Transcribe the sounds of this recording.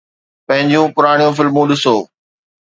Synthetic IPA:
pɐ̃ɦɪ̃ɲd͡ʑijũpʊɾaːɽ̃ijũfɪlmũɗɪsoː

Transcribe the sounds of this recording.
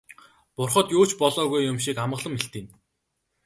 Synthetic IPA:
pʊrχɞ̆t̪joːt͡ɕpɔɮɔːɣujːʊmʃikamɢə̆ɮə̆meɬt̪iːn

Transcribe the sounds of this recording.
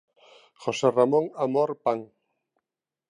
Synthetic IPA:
xoseramõŋamoɾpaŋ

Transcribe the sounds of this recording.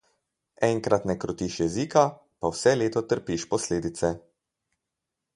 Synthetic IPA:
ɛŋkɾat̪nɛkɾɔt̪iʃjɛziːka | pawsɛleːt̪ɔt̪əɾpiʃpɔsleːd̪it̪sɛ

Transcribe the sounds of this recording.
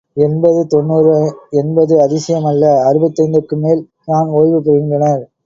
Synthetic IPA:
ɛnbɐðɯt̪ɔnːuːɾɯɛnbɐðɯɐðɪsɐjɐmɐlːɐɐɾɯbɐt̪ːɐɪnd̪ɯkːɯmeːl | naːnoːjʋɯpːɪɾɐɣɪndɐɳɐɾ

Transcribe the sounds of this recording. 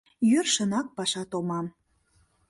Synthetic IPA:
jørʃənɑk̚pɑʃɑt̪omɑm

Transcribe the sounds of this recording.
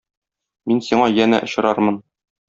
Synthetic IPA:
minsiɴɑjænæ̰ʔŏɕɤ̆ɾɑɾmɤn

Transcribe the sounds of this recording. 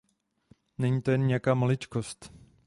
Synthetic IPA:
nɛɲiːt̪ojɛnɲɛjakaːmolɪt͡ʃkost̪

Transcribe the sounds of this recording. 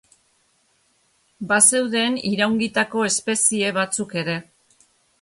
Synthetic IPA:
base̞wðe̞ːniɾawŋɡit̪ako̞e̞spe̞sie̞β̞at͡suke̞ɾe̞

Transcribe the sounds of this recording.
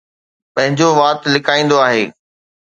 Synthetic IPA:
pɐ̃ɦɪ̃ɲd͡ʑoʋaːt̪lɪkʰaːĩːn̆d̪oaːɦeː

